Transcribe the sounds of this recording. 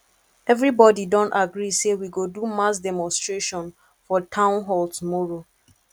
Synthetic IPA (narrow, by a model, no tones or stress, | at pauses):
ɛvɹibɔdidɔ̃ntaɡɹisewiɡodumasdɛmɔ̃nstɹeʃɔ̃n | fɔtʰãʊ̃nɦɔltumɔɹo